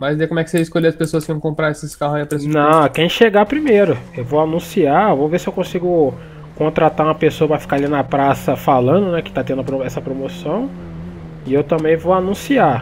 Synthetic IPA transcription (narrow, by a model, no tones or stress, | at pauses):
mazd̪ekõmwɛkɪ̥seiiskoleɐspesoɐskɪvɐ̃w̃kõmpɾaesɪskahʊaiɐpɾenɐ̃kẽj̃ʃeɡapɾimejɾʊewvowanũsiavoveɾsɪewkõsiɡʊ | kõnt̪ɾat̪aũmɐpesoɐpɾɐfi̥kaɾalinɐpɾasɐfalɐ̃nd̪ʊnɛkɪt̪at̪ẽnd̪ʊɐpɾoɛsɐpɾomosɐ̃w̃ | ɪewt̪ɐ̃bẽj̃vowanũsia